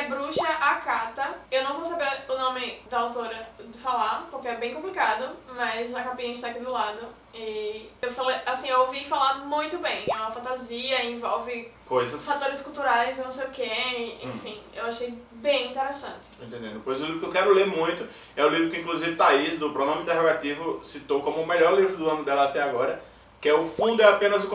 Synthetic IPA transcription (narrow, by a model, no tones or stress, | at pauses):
bɾuʃɐʔakat̪ɐewnɐ̃w̃vowsabeɾʊnõmɪd̪ɐawt̪oɾɐd͡ʒ̪ɪfalapʊɾkeɛbẽj̃kõplikad̪ʊmɐzɐkapĩɲɐ̃ɪʃt̪aakid̪ʊlad̪ʊ | ɪewfalejasĩewowvifalaɾmũj̃t̪ʊbẽj̃ɛũmɐfɐ̃nt̪aziɐĩvɔwvɪkojzɐsfat̪oɾɪskult̪uɾajznɐ̃w̃sejʊkɛḛ̃fĩḛwaʃejbẽj̃ĩnt̪eɾesɐ̃nt̪ɪ̥ẽnt̪ẽnd̪ẽd̪ʊpojzʊlivɾʊkewkɛɾʊlemũj̃t̪ʊ | ɛʊlivɾʊkɪĩkluzivɪt̪aizd̪ʊpɾɔnõmɪĩt̪ɛɦoɡat̪ivʊsit̪owkõmʊːmeʎɔɾlivɾʊd̪ʊɐ̃mɪ̃d̪ɛlɐat̪ɛaɡɔɾɐ | kɪɛʊfũd̪ʊɛapẽnɐzʊ